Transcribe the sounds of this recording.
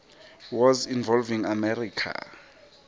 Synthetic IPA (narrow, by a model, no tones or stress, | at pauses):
wɔzinvɔlviŋamɛɾikʰa̰